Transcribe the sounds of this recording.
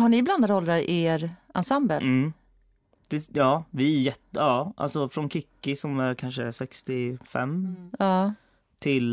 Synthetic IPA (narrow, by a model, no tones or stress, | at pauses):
haɳɪbland̪ad̪ɔld̪ɾaɾʔɪeɾansambəlm̩ː | d̪̥ɛjɑːvɪjɛt̪ːjɑːʔa̰lsɔfɾɔnkʰɪkːɪsɔmæɾkʰanʂəsɛkst̪ɪfɛ̰mːɑː | t̪ʰɪl